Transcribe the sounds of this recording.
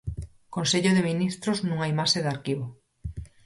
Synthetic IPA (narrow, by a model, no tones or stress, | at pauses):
konseʎoðeminist̪ɾoznũŋajmaʃeðaɾkiβo